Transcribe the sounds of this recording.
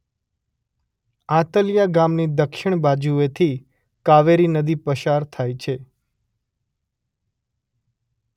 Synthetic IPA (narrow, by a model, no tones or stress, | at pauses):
ãt̪əljaɡamnid̪əkʃɪɳ̃bad͡ʒuet̪ʰi | kaʋeɾinəd̪ipəʃaɾt̪ʰajt͡ʃʰe